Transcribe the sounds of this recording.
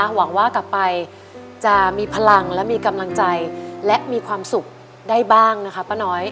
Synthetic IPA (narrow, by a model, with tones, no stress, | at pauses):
wa˩˦ŋwaː˥˩ka˨˩pːa˧j | t͡ɕa˨˩miː˧pʰa˧la˧ŋlɛ˦˥miː˧ka˧mla˧ŋt͡ɕa˧jlɛ˦˥ʔmiː˧kʰwaː˧msu˨˩k̚ | daː˥˩jbaː˥˩ŋna˦˥kʰa˦˥pːa˦˥˩nɔː˦˥j